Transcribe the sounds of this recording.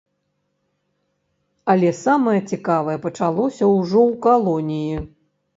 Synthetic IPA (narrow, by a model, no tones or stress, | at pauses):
ɐlʲɛsamɐjɐt͡sʲikavɐjɛpɐt͡ʂalˠɔsʲɐwʐɔwkalˠɔnʲiji